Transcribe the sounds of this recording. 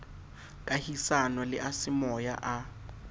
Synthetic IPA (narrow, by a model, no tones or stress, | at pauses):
kʼahisanɔlɪ̰ʔasɪmɔja̰ʔa